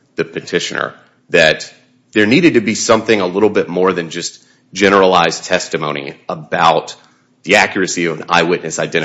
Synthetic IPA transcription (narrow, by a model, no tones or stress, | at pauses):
ðɨpʰɨtʰɪʃɨ̰̃nə̰˞ | ðɨt̪̚ | ðə˞niɾɨd̚tɨbisʌ̃mθɪ̃ŋəlɪɾl̩ˠbɪt̚mɔɹðɨ̃nd͡ʒʌs | d̥ʒ̥ɛñə˞əlaɪz̥tʰɛstɨmõʊ̃ñḭəbaʊt̪̚ | ðiækjə˞ɨsiʌvɨ̃na̰ɪwɪtⁿnɨsaɪdɛ̃ɾ̃